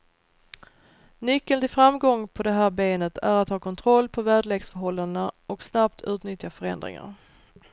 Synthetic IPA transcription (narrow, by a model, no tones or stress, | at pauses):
nʏkːəlt̪ɪlfɾamɡɔŋːpʰɔd̪ɛɦæːɾbeːnət̪ʰæɾat̪hɑːkʰɔnt̪ʰɾɔlːpʰɔvæːɖɭeːɡsfœɾɦɔlːand̪ənaɔksnapt̪ʰʉ̟ːt̪nʏt̪jafœɾɛ̰nd̪ɾɪ̰ŋa̰ɾ